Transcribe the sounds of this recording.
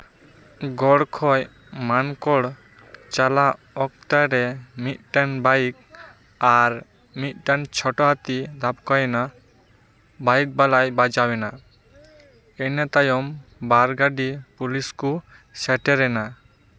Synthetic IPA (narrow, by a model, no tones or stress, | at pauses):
ɡɔɽkʰɔj | mankɔɽ | t͡ʃala | ɔk̚t̪aɾɛmit̪̚ʈanbajk | aɾ | mit̪̚ʈant͡ʃʰɔʈɔɦat̪id̪ʱapkɔjena | bajk̚balajbad͡ʒawena | enɛt̪ajɔmbaɾɡaɖipulisku | sɛʈɛɾɛna